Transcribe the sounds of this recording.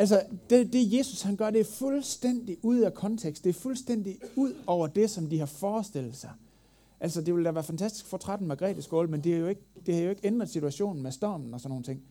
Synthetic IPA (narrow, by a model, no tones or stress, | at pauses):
ʔælsəd̥ed̥e̝je̝ːsushænɡ̥ɶɐɾ̥e̝æɐfulsd̥en̰d̥iʔuð̞̰ˠækʰɒ̽nt͡sʰeɡ̥sd̥e̝ːɐfulsd̥en̰d̥iuð̞̰ˠɒʊ̰ɐd̥e̝sɒ̽md̥ihɑ̈fɒːsd̥e̝l̰ð̩ˠsɑ̈ɪ | ʔæl̰səd̥e̝ʋe̝ld̥æʋæːɐfænt͡sʰæsd̥i̥sɡ̥fɒt͡sʰʁad̥n̩mæɡ̥ʁɛ̰ːd̥æsɡ̥oːlmend̥eæɐjoe̝ɡ̥d̥e̝hɑ̈jo̝e̝ɡ̥end̥ʁɐðˠsit͡sʰuæɕo̝̰ːnn̩mesd̥ɒːmn̩ɒsɒnːo̝ːn̩t͡sʰe̝ŋ̰